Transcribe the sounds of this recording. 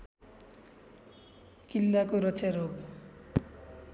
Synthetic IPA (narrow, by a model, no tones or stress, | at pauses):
kilːakoɾʌt͡sjaɾoɡ